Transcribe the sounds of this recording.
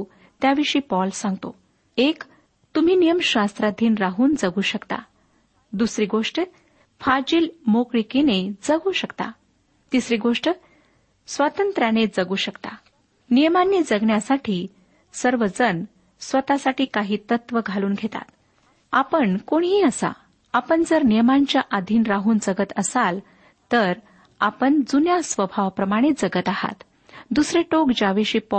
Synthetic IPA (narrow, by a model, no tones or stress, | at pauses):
t̪jaʋiʂiːpɔlsãŋɡt̪o | ek | t̪um̤iːnijəmɕast̪ɾad̪ʱiːnɾaɦuːnd͡zəɡuːɕəkt̪a̰ | d̪usɾiːɡoʂʈə | fad͡ʑiːlmokɽikined͡zəɡuːɕəkt̪a̰ | t̪isɾiːɡoʂʈə | sʋat̪ənt̪ɾaned͡zəɡuːɕəkt̪a̰ | nijəmanːiːd͡zəɡɳjasaʈʰiː | səɾʋəd͡zən | sʋət̪asaʈiːkaɦiːt̪ət̪ʋəɡʱaluːnɡʱet̪a̰t̪̚ | apəɳkoɳɦiːəsa̰ | apəɳd͡zəɾnijəmaɲt͡ɕjaʔad̪ʱiːnɾaɦuːnd͡zəɡət̪əsal | t̪əɾ | apəɳd͡zunjasʋəbʱaʋpɾəmaɽ̃it̪̚d͡zəɡət̪aha̰t̪ | d̪usɾeʈokd͡ʑaʋiɕiːpɔ